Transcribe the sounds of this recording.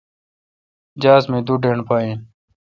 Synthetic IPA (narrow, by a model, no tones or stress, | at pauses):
d͡ʑaːsmẽːd̪uɖeɳpaːĩːn